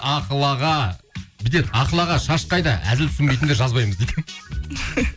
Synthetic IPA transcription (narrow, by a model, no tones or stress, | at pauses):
ɑqəlˠɑʁɑbɪt̪e̞t̪ɑqəlˠɑʁɑʃɑʃqɑjd̪ɑʔæ̰zɪlt̪ʰʏ̥sɪnmbe̞jt̪ɪnd̪eʒɑzbɑjməzd̪ejd̪ɪ